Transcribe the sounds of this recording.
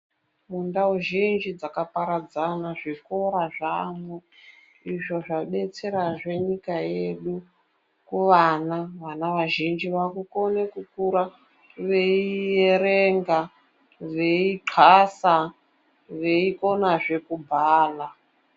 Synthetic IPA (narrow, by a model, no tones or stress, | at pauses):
mundauʒind͡ʒid͡zakapaɾad͡zanaʐiko̞ɾaʐamwe | iʐo̞ʐaɓe̞t͡se̞ɾaʐe̞ɲikaje̞ɗu | kuʋanaʋanaʋaʒind͡ʒiʋakuko̞nekukuɾa | ʋe̞ijeɾeŋɡa | ʋe̞iǃʰasa | ʋe̞iko̞naʐe̞kubʱaːla